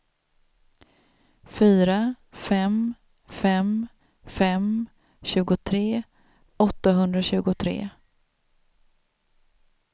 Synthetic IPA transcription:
fyːɾa | fɛm | fɛm | fɛm | ɕʉ̟ːɡʊt̪ʰɾeː | ɔt̪ːaɦɵnd̪ɾaɕʉ̟ːɡʊt̪ʰɾḛː

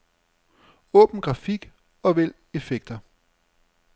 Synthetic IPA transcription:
ɔ̰̽ːb̥n̩ɡ̥ʁɑ̈fiɡ̥ | ɒ̽ʋel̰ | e̝feɡ̥d̥ɐ

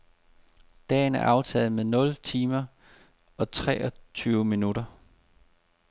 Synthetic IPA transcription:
d̥ɛ̰ːnæɐʔɑ̈ʊt͡sʰɛ̰ːð̩ˠmeðˠnɔ̽lt͡sʰiːmɐ | ɒ̽t͡sʰʁɛːʔɒt͡sʰyːʊminuɾ̥ɐ

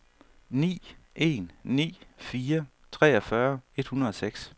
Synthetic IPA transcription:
nḭːʔe̝̰ːnːḭːfiːɐ | t͡sʰʁɛ̰ːɒ̽fɶɐe̝d̥hunɐð̩ˠɒ̽seɡ̥s

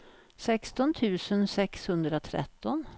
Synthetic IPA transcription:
sɛkst̪ɔnt̪ʰʉ̟ːsənsɛkshɵnd̪ɾaot̪ʰɾɛ̰t̪ːɔn

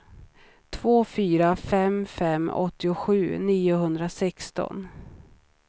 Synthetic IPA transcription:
t̪ʰvoːfyːɾafɛmfɛmːɔ̰t̪ːɪʊɧʉ̟ːniːʊɦɵnd̪ɾasɛkst̪ɔ̰n

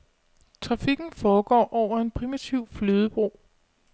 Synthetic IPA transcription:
t͡sʰʁɑ̈fiɡ̥n̩fɒːɡ̥ɒ̰ːʔɒʊ̰ɐe̝npʰʁimit͡sʰiʊ̰fløːð̞ˠəb̥ʁo̝ː

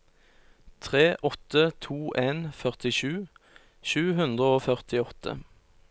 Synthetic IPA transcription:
t̪ʰʁeːʔɔt̪ət̪ʰuːʔeːnfœʁt̪ɪʃʉː | ʃʉːɦʉnd̪ʁəoːfœʁt̪ɪɔt̪ʰə̰

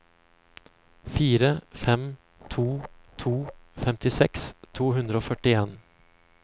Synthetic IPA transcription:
fiːɾəfɛm | t̪ʰuːt̪ʰuːfɛmt̪ɪsɛkst̪ʰuːhʉnd̪ɾəoːfœʈɪeːn

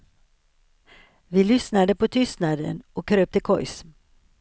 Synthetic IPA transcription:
ʋiːlʏsnɑd̪əpʰoːt̪ʰʏst̪nɑːd̪ə̰noːkʰɾøːp̚t̪əkʰɔʏs

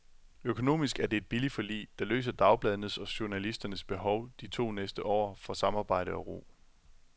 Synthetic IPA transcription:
økʰo̝no̝̰ːmisɡ̥æɐd̥e̝e̝d̥̚b̥ilifɒlḭːd̥ɑ̈lø̰ːsɐd̥ɑ̈ʊb̥lɛðˠnð̩ˠsɒ̽ɕo̝nælisd̥ɐnəsb̥e̝ɦɒ̽ʊd̥it͡sʰo̝̰ːnesd̥əʔɒ̰ːfɒ̽sɑ̈mɑ̈ːb̥ɑ̈ɪ̰ɾ̥əɒ̽ʁo̝̰ː

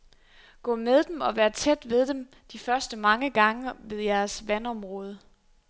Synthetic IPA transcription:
ɡ̥ɔ̰̽ːmeðˠd̥emɒ̽ʋæːɐt͡sʰed̥ʋe̝ð̞ˠd̥em | d̥ifɶɐsd̥əmɑ̈ŋəɡ̥ɑ̈ŋəʋe̝ðˠjæɐsʋænɒ̽mʁɔ̽ːð̞ˠə

